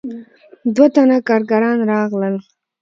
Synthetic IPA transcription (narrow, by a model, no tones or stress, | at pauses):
d̪wat̪anakɑɾɡaɾɑnɾɑɣləl